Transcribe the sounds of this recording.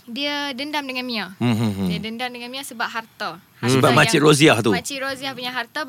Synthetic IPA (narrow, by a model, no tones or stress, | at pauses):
diədəndamdəŋanmĩam̩ɦdiədəndamdəŋanmĩasəbap̚ɦart̪a | səbaʔmãt͡ʃiʔɾoziaht̪uat͡ʃiɾoziahpuɲaɦart̪a